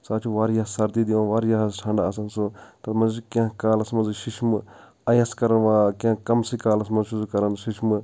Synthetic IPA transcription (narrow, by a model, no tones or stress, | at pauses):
saːt͡ʃʰuʋaːɾjaːssɐɾd̪iːd̪iʋãːʋaːɾjasʈʰãːɳɖaːsɐnsut̪ɐmɐzt͡ʃikʲãːkaːlɐsmɐnziʃiʃmɨ | ɐjɐskɐɾɐnʋaːkãːkɐmsikaːlɐsmɐzʃuzukɐɾɐnʃiʃmɨ